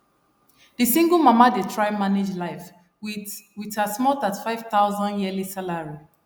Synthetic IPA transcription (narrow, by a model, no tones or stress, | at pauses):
d̥isĩŋɡəlˠmamadetʰɹaɪmaned͡ʒlaɪf | witasmɔdatfaɪv̥θaʊzɔ̃njɛlisalaɹi